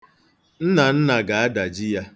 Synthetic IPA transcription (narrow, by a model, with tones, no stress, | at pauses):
n̩˦na˨n̩˦na˨ɡa˨a˦da˨d͡ʒi˦ja˦